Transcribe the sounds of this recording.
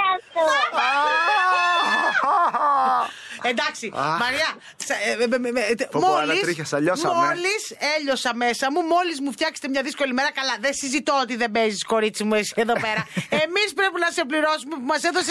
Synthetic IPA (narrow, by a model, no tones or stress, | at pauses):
ɐt̪ | end̪ɐksimɐɾiɐ | s | t̪molɐisɾiçɐsɐʎosmoliseʎo̞sɐme̞sɐmumo̞lizmuft̪çɐkse̥t̪emɲɐðisko̞lime̞ɾɐkɐlɐðesizit̪oot̪iðe̞bezisko̞ɾit͡simuesi̥e̞ðo̞pe̞ɾɐemispɾe̞pinɐse̞pliɾo̞sume̞pumɐseθose